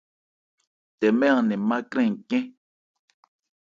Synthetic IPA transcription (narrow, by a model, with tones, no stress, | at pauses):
t̪e˨mẽ˦ã˧nẽ˨mã˦kɾẽ˦˨ŋ˨kẽ˦